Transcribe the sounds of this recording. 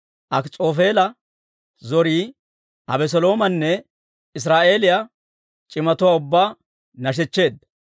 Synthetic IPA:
ʔɐkt͡sʼo̞ːfe̞ːlɐ | zɔɾiː | ʔɐbɛs̬ɔlo̞ːmɐnːɛ | ɪs̬ɾaːʔe̞ːlɪja | t͡ʃʼɪmɐt̪ʊwaːʊbːaː | nɐʃ̬ɛt͡ʃːe̞ːd̪ːɐ

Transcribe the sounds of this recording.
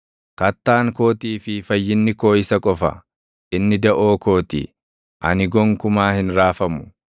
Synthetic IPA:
kɐt̪ːaːŋko̞ːt̪iːfɪfɐjːɪnːɪko̞ːɪsɐkʼɔfɐ̰ | ʔɪnːɪd̪ɐʔo̞ːko̞ːt̪ḭː | ʔɐ̰nɪɡɔŋkʊmaːhɪnɾaːfɐmʊ̥

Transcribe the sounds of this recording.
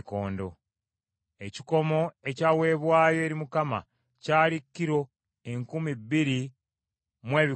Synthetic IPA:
koːndo̞̰ | e̞ci̥ko̞mo̞e̞cawe̞ːβwaːjo̞eɾimukama̰ | caːlikːiɾo̞ | eŋkumibːiɾi | mwe̞ːβi

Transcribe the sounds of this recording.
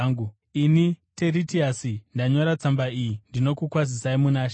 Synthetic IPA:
ŋɡu | inite̞ɾitiasindaɲo̞ɾat͡sambaijindino̞kukwaz̬isaimunaːʃ

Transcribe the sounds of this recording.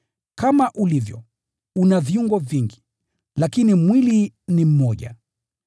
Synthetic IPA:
kamaʔulivjɔ̰ | unaviuŋɡɔviŋɡi | lakinimwilinim̩mɔʄa

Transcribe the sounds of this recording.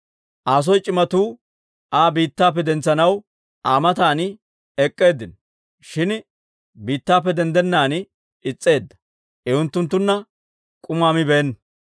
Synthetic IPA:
ʔaːs̬ɔjt͡ʃʼɪmɐt̪uː | ʔaːbiːt̪ːaːp̬ːɛd̪ɛnt͡sːɐnɐw | ʔaːmɐt̪aːnɪ | ɛkʼːe̞ːd̪ːɪn | ʃɪn | biːt̪ːaːpːɛd̪ɛnd̪ɛnːaːn | ɪt͡sʼːe̞ːd̪ːɐ̥ | ʔɛʊnt̪ːʊnt̪ːʊnːɐ | kʼʊmaːmɪbeːnː

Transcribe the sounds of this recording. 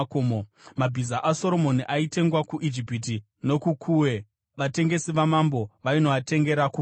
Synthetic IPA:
komomabʱizaʔaso̞ɾo̞mo̞niʔaite̞ŋɡwakuʔid͡ʒipit̬i | no̞kukʰuːwe̞ | ʋate̞ŋɡe̞siʋamambo̞ʋaino̞ate̞ŋɡe̞ɾaku

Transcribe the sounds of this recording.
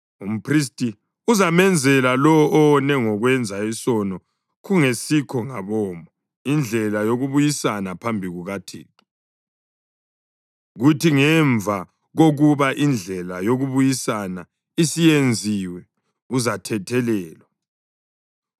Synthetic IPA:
um̩pʰris̬tʼi | uzamɛnd͡zʱɛlalɔɔʔɔnɛŋɔɣwɛnd͡zʱaisɔnɔ | ɣuŋesikʰɔŋaβɔːmʱɔ | ind͡ɮʱɛlajoɣuβujisanapʰambʱiɣuɣatʰḭːti̥ | ɣutʰiŋɛɱvʱa | ɣoɣuβaʔind͡ɮʱɛlajoɣuβujisana | isijend͡zʱiwɛ | uzatʰɛtʰɛlɛːlwa

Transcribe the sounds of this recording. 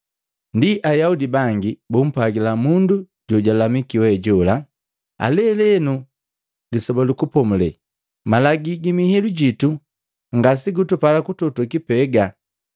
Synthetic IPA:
ndiʔajaudibaŋɡibum̩paɡilamundu | ɟɔɟalamikiwɛɟɔla | a̰lɛlɛnu | lisɔbɔlukupɔmulɛ | malaɡiɡimihiluɟitu | ŋɡasiɡutupalakututukipɛɡa

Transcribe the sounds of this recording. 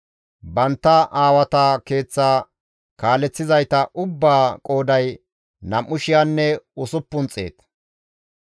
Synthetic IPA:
bɐnt̪ːɐʔaːwɐt̪ake̞ːt͡sːaː | kaːlɛt͡sːɪzɐjt̪ɐʔʊbːaːkʼo̞ːd̪ɐj | nɐmːʊʃɪjanːɛʊsʊpːʊnt͡sʼḛːt̪

